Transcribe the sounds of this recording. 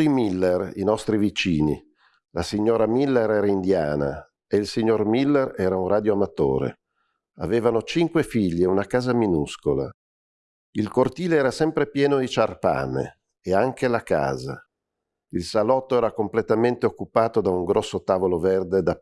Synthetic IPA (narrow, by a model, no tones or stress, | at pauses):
imilːerinɔst̪ɾivit͡ʃiːni | lasiɲːoːɾamilːeɾɛːɾaind̪jaːna̰ | eilsiɲːormilːeɾɛːɾaunraːd̪joamat̪o̰ːɾḛ | a̰veːvanot͡ʃiŋkwefiʎːeunakaːzaminuskola̰ | ilkort̪iːleɛːɾasɛmpɾepjɛːnod̪it͡ʃarpa̰ːnḛː | aŋkelaka̰ːza | ilsalɔt̪ːoɛːɾakomplet̪ament̪eokːupaːt̪od̪auŋɡɾɔsːot̪aːvoloverd̪ed̪a